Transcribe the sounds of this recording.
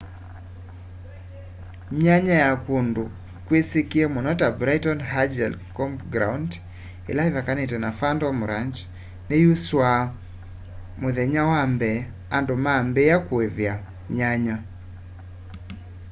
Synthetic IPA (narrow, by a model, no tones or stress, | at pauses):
ɲaɲajakundo | kwesikiemɔnɔtabɾajtɔnɦad͡ʒɛlkɔmpɡɾa̰und | ḛlaɪvakanɛtɛnafandɔmʊɾaɲt͡ʃ | nejuswa | mʊðɛɲawambɛ | andomambeakwevja | ɲaɲa